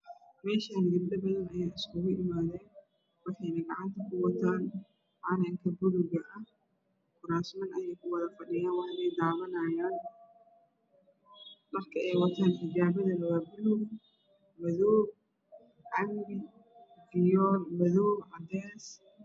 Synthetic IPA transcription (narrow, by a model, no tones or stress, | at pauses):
mɛːʃaːnɪd̪ɪbɗ̪ɐbɐðɐnɐjeːjɪskʊɣʊʔɪmaːðɛːn | wɪħjnɐɡɐʕant̪ʰɐkʊwɐt̪ʰaːn | ʔaːnɐŋkʰɐbʊlʊɡɐʔɐ | kʊɾaːsmɐnɐjɛjkʊwɐðɐfɐɗɪjaːnwɑħnɛjd̪aːβɐnaːjaːn | mɐrkʰɐʔɛjwɐt̪ʰaːnħɪd͡ʒaːbɐðɐlɐðɐbʊlʊɡ | mɐðɔːb̚ | ʕɐmbɪ | ɪjɔlmɐðɔːbʕad̪ɛːs